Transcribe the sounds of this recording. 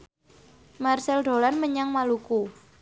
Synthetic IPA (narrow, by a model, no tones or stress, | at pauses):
marsɛlɖo̤lanməɲaŋmaluku